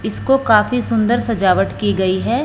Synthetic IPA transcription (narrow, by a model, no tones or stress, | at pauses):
ɪskokaːfisʊ̃nd̪əɾsɐd͡ʒaːʋəʈkiɡɐiɦɛː